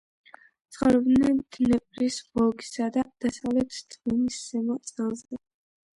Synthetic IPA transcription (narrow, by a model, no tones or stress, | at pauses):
t̪sʰχɔɾɔbnɛnt̪ʰnɛpʼɾisbɔɡi̥sad̪ad̪̥asavlɛt̪ʰd̪̥ʰminisːɛmɔt̪sʼɛlˠzɛ